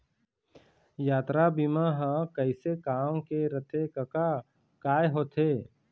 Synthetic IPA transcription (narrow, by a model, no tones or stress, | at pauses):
jaːt̪ɾabimaɦãkəɪsekaːmkeɾət̪ʰekɐka | kaːjɦot̪ʰeː